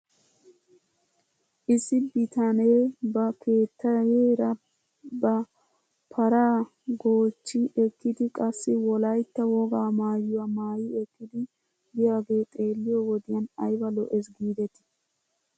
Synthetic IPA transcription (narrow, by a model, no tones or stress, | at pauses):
ʔɪsːɪbɪt̪ɐneːbɐkʰe̞ːt̪ːɐeːɾɐ | bɐ | pʰɐɾaː | ɡo̞ːt͡ʃːɪʔɛkːɪd̪ɪkʼɐsːɪwɔlɐjt̪ːɐwɔɡaːmaːjːʊwamaːjɪɛkːɪd̪ɪ | bɪjaːɡe̞ːt̪ʼe̞ːlːɪjɔwɔd̪ɪjɐnɐjbɐlɔ̰ʔɛsɡiːd̪ɛt̪ɪ̥